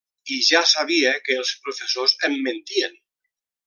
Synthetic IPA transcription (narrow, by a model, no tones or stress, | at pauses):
iʒasaβ̞iekeːlˠspɾofesozemːẽnt̪ien